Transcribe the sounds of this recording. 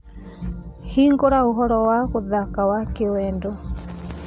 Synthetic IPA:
hiːŋɡoɾaoɦɔɾɔwakoðakawakewɛndo

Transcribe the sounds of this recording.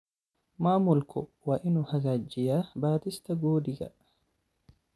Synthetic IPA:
maːmʊlkʊwɐʔɪnʊhɐɡad͡ʒːɪjaːbaːt̪ɪst̪ɐɡuːd̪ɪɡɐ̰

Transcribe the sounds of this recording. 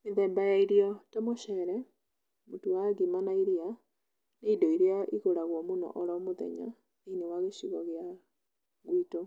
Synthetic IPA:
meðɛmbajaiɾiɔtɛmoʃɛɾɛ | motuwaɡimanaiɾia | neidɔiɾeaiɣoɾaɣwɔmonɔ̰ʔɔɾɔmoðɛ̰ɲa̰ | neinewaɣeɕiɣɔɣea | ɣwito

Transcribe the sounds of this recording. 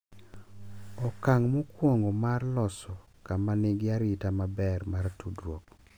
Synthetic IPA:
ɔkaŋmukwoŋɡɔmarlɔsɔ | kamanɪɡɪaɾɪtamabɛrmaɾtudɾwok

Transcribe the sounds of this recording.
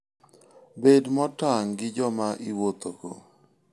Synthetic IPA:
bedmɔtaŋɡɪd͡ʒɔmaʔiwot̪oɡo̰

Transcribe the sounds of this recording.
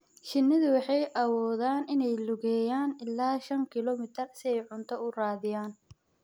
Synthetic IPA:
ʃɪnːɪðʊwɑħɑjʔɐwɔːðaːnʔɪnɛjlʊɣɛːjaːnɪlːaːʃɐŋkʰɪlɔmɪt̪ʰɐrsɪɛjʕʊnt̪ʰɔʊraːðɪjaːn

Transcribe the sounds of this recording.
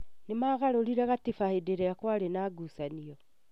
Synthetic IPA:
nemaːɣaɾoɾiɾɛɣatifahedeɾeakwaːɾenaːɡusaniɔ

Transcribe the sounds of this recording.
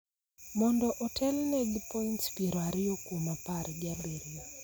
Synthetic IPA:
mɔndɔʔɔtʰɛlnɛd͡ʒpɔinspiɾwaɾɪjokumapaɾɡaleɾia

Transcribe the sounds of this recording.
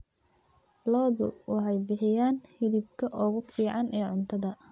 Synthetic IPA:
lɔːðʊ̰wɑħɑjbɪħɪjaːnhɪðib̚kʰɐʔɔːɣʊfiːʕɑnʔɛːʕʊnt̪ʰɐðɐ

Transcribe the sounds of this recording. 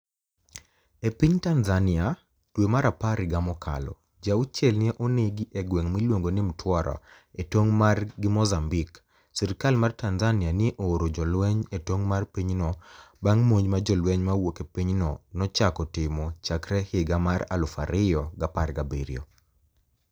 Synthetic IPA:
epiɲtanzanɪa | d̥wemaɾapaɾɪɡamɔkʰa̰lɔ̰ | d͡ʒaut͡ʃɛlnɪeʔonɪɡiʔeɡweŋmilwoŋɡonɪmtʰwɔɾʔɔ̰ | etwoŋmarɡɪmɔzambik | siɾɪkalmartanzanɪanɪʔoɾod͡ʒɔlwɛɲetwoŋmarpiɲnɔbaŋmoɲmad͡ʒɔlwɛɲmawokepiɲnɔnɔt͡ʃakɔtɪmɔt͡ʃakɾɛhɪɡamara̰lʊfa̰ɾɪjɔɡaparɡabiɾijɔ̰

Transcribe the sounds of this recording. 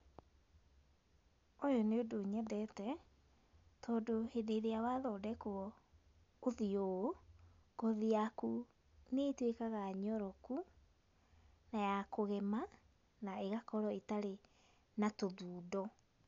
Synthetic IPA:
ojɔneodoɲɛdɛtɛ | tʰɔːdohedeɾeawaðɔdɛkuɔ | oðiooɡ̥ɔðiaku | netwekaɣaɲɔɾɔku | najakoɣɛma | naeɣakɔɾɔetaɾe | natoðuːdɔ

